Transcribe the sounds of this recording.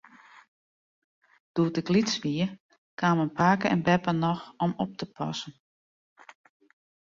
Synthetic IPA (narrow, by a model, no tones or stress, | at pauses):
d̥uətəklitsʋiər | kʰaːmənpʰaːkəɛ̰nbɛpənɔxɔmɔp̚təpʰɔ̰sən